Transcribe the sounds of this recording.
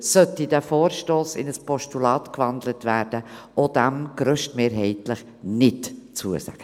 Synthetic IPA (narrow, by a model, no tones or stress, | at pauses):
sœtidæfoːɾʃtoːsɪ̰nəspʰɔʃtulɑːtkvɑnd̪lətvæːɾdəʔod̥æmɡ̥ɾœʃtmeːɾɦɛɪtləχ | nɪtt͡suːəsæ̰ɡ̥ə